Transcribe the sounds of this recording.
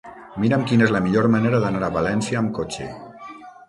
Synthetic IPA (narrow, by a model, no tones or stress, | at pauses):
miɾəmkinezləmiʎoɾməneɾəðənaɾəβalɛnsjəːmkot͡ʃḛ